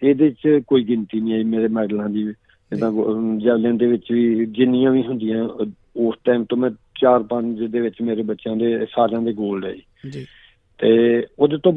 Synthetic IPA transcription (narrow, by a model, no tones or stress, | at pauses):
eːd̪eːɪt͡ʃkoːiːɡɪnt̪iːnĩːaːiːmeːɾeːmɛːɖlãːd̪iː | ɪnãːd͡ʒɛːʋljãːd̪eːʋɪt͡ʃʋiːd͡ʒɪnɪjãːʋiːɦʊ̃nd̪ɪjãː | oːsʈaːimt̪õːmɛ̃ː | t͡ʃaːɾpəɲt͡ʃd̪eːʋɪt͡ʃmeːɾeːbətːʃjãːd̪eːsaːd͡ʒãːd̪eːɡoːlɖa̰ːiː | t̪eːoːd̪et̪ːõː